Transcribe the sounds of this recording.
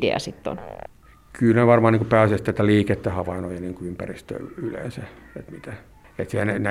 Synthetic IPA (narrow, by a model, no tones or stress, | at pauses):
dḛɑ̰sit̪ːo̰n | kʰylneʋɑrmɑːniːŋkupæːsest̪ːæit̪ːæliːket̪ːehɑʋɑinojɑniːŋkuympærist̪ø̰ːylḛːnsæet̪mit̪æ | et̪sehænenæ